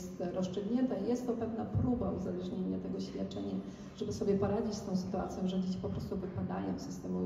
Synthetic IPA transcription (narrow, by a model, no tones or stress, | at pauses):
st̪ɾɔst͡ʂɘɡɲɛnt̪aijɛst̪ːɔpɛvnapɾubauzalɛʐɲeɲat̪ɛɡɔɕfʲjat̪̚t͡ʂɛɲa | ʐ̥ɛbɘsɔbʲjɛpɔɾad͡ʑit͡ɕst̪ɔ̃sɘ̥t̪ua̰t̪sʲjɔ̃w̃ʐɛd͡ʑet͡ɕi̥pɔpɾɔst̪uvɘpad̪ajɔ̰̃w̃sɘst̪ɛmu